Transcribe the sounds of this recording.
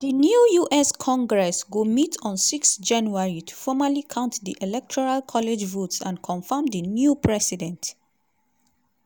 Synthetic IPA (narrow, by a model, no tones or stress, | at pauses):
dənjujuʔɛskʰɔ̃ŋɡɹɛsɡomitʰɔ̃nsiksd͡ʒãnjuaɹitʰu̥fɔmalikʰãʊ̃ntdiʔelɛk̚tʰɔɹalkʰɔled͡ʒvotsã̰nkʰɔ̃nfãmdənjupʰɹɛsidɛ̃nt